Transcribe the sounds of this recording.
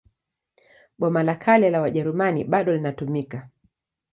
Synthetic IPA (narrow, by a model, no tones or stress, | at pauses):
ɓɔmalakʰalɛlawaʄɛɾumaniɓaɗɔlinatumika